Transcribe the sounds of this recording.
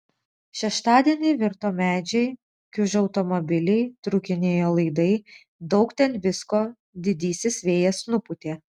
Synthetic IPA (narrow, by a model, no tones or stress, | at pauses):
ʃʲɛʃt̪ɑːd̪ʲiɛnʲɛɪʋʲɪɾt̪oːmʲæːd͡ʒʲɛɪ | kʲʊʒʲɐʊt̪ɔmɔbʲɪlʲɛɪt̪ɾʊkʲɪnʲeːjoːlˠɐɪd̪ɐɪ | d̪ɒʊkt̪ʲɛnʋʲɪskoː | d̪ʲɪd̪ʲiːsʲɪsʲʋʲeːjɛsnʊpʊt̪ʲeː